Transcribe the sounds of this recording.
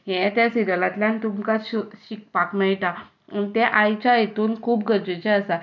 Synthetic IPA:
jɛ̃t̪jasiɾəlat̪ljãnt̪umkaɕuɕik̚pakmajʈ̪a | ənt̪ɛʔajt͡ɕajet̪uːnkʰuːp̚ɡʱəɾd͡ʑet͡ɕɛəsa

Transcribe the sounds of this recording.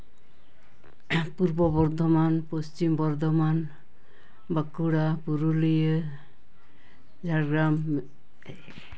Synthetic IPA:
puɾbɔbɔɾd̪ʱɔmanpost͡ʃimbɔɾd̪ʱɔman | bəkuɽapuɾulijə | d͡ʒʱaɾɡɾam

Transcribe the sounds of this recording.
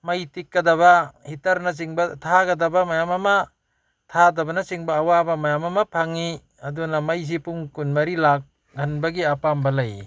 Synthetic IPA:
majtikːɐdaβahitɐɾnɐs̬iŋbɐtʰaɡɐdabamajamama | tʰadɐbɐnɐsiŋbɐːwabɐmajamɐmɐpʰaŋi | ɐdunɐmajs̬ipuŋkunmɐɾilak̚ | ɡʱɐnbɐɡiɐpambɐlaj

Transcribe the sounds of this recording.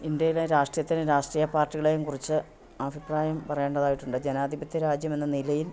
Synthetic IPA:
ind̪jɐjileɾaːʂʈrijɐt̪ːinɨɾaːʂʈriːjɐpaːrʈːiɣɐɭejumkurit͡ɕːɨ | ɐbʱipraːjɐmpɐrɐjeːɳɖɐðaːjiʈːuɳɖɨd͡ʑe̞naːd̪ʱibɐt̪ʰːjɐɾaːd͡ʑjɐme̞nːɐnilɐjil

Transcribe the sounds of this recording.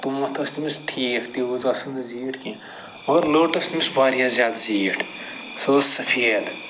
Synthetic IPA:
t̪umɐt̪ʰɐst̪imisʈʰiːkʰt̪ibuzɐsɐnziːʈʰkĩ | mɐɡɐɾloːʈɐst̪imisbaːɾijãːzʲjaːd̪ziːʈʰ | soːsɐpʰeːd̪

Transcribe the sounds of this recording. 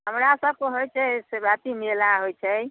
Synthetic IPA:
ɦəmɾasəb̚keɦojt͡ʃʰɛsebat̪imilãɦojt͡ʃʰɛ

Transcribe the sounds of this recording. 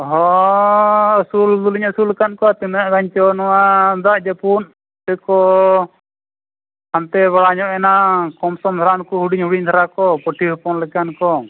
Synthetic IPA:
ɦɔ | əsuld̪uliɲəsulːɛkankɔat̪inʔɡaɲt͡ʃɔnɔwand̪aʔd͡ʒapun | t̪ɛkɔ | ant̪ɛβaɽaɲɔʔɛnakɔmsɔmt̪ʰaɾankuɦuɽiɲhuɽiɲt̪ʰaɾakɔpɔʈʰiɦɔpɔnlɛkankɔ

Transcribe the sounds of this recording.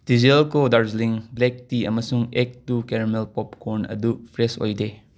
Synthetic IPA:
d̥izelkodaɾzliŋblek̚tiɐmɐsuŋek̚tukeɾmelpɔpkʰoɾnɐ̰dupʰɾeso̰jde

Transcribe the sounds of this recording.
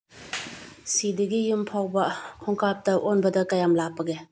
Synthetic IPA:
sidiɡijumpʰawbɐkʰɔŋkap̚tɐʔonbɐdɐkajamlapɐɡe

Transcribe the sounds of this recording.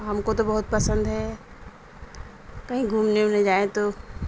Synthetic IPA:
ɦɐmkot̪obɐɦʊt̪̚pɐsə̃nd̪ɦɛ | kɐɦĩɡʱuːmnẽʊnɦẽd͡ʒaːẽt̪o

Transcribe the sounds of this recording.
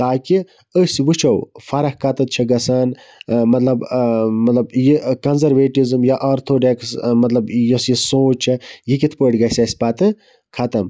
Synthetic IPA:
t̪aːki | əsʋɨt͡ʃʰɐwfɐɾɐhkɐt̪ɐt̪̚t͡ʃʰɐɡɐsaːn | mɐt̪lɐbmɐt̪lɐbjikɐnzɐɾʋeːʈizɨmjaʔaɾt̪ʰoːɖeksmɐt̪lɐbjosjisoːt͡ʃt͡ʃʰɐjikit̪ʰpəːʈɡɐsʲɐsʲpɐt̪ɨ | kʰɐt̪ɐm

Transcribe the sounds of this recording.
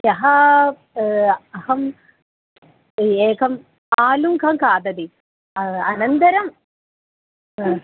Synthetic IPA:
jɐɦɐ | ɐhɐm | eːkʰɐm | aːlumkʰɐmkaːd̪ɐd̪i | ɐnɐnd̪ɐɾɐm

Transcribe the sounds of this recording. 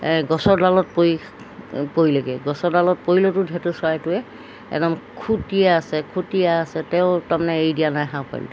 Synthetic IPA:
ɡɔsɔɹdalɔt̚poi | poilaɡɛɡɔsɔɹdalɔt̚poilɔtʊdʱɛtʊsajɛtʊɛ | ɛ̰dɔmkʰutijaːsɛkʰutijaːsɛtɛʊ̃tamanɛejdijanajɦãpa̰jl̰ɔ

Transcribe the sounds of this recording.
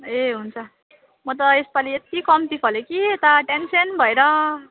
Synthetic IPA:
eɦunt͡sʰʌ | mʌt̪̬ʌespaliet̪ikʌmt̪ikɦʌlokiet̪aʈensʌnbʱʌeɾʌ

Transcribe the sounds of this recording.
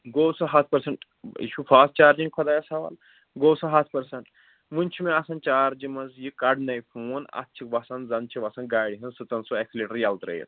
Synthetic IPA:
ɡoːwsɐɦat̪̚ʰpɐɾsɐɳʈ | ḭʃʰufʰaːst͡ʃaːɾd͡ʒiŋɡkʰɐd̪aːjɐsɐʋɐ̰l | ɡoːwsɐɦat̪ʰpɐɾsɐɳʈ | munʲt͡ʃʰimẽɐsɐnt͡ʃaːɾd͡ʒimɐzjikɐɖnɐjfʰuːnɐ̰tːt͡ʃʰikʋɐsɐnzɐnt͡ʃʰiʋɐsɐnɡaːjɽiɦɐnsɨt̪ɐnsoekʰliʈəɾjɐlt̪ɾɐ̰jḭt̪

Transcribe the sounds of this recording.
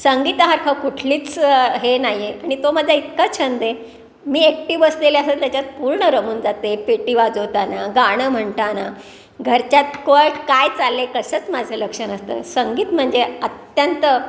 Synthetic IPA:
səŋɡiːt̪əɦaɾkʰəkuʈʰliːt͡sɦenaɦjeaɽ̃it̪oməd̪ʱːjait̪kat͡ɕʰənd̪e | miːek̚ʈiːbəsd̪eleasət̪jat͡ɕat͡s̪̚puɾɳəɾəmuːnd͡zat̪epeʈiʋad͡zɦot̪anaɡaɽ̃əm̤əɳt̪ana | ɡʱəɾt͡ɕjat̪kəɭʈkajt͡salːekəsəːt͡smad͡zʱələkʂənəst̪ə̰ːsəŋɡiːt̪m̤əɳd͡zeət̪jənt̪ə

